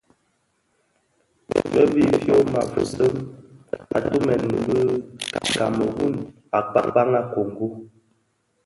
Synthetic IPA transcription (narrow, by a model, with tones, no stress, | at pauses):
bə̰˦bi˦fjo˦ma̰˨və˨sə˦m | a̰˨tu˦mɛ˨n˨˦bə˦ka˨mə˨ɣu˦n | a˨k͡pa˦k͡pa˦ŋa˦ko˨ŋ˨ɡu˦